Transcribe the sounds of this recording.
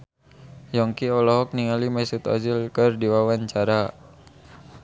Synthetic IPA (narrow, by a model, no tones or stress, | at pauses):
jɔŋkiɔlɔɦɔk̚niŋalimasit̪ɔ̰zilkərdiwawaɲt͡ʃaɾa